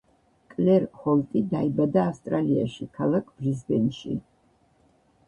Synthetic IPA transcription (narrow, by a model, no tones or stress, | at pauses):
kʼlɛɾhɔlt̪ʼid̪aibad̪aːfst̪ʼɾalia̰ʃikʰalˠakʰb̥ɾizbɛnʃḭ